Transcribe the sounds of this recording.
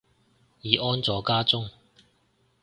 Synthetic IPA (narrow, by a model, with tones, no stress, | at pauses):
jiː˨ʔɔː˥nt͡sɔː˨˥kaː˥t͡sʊ˥ŋ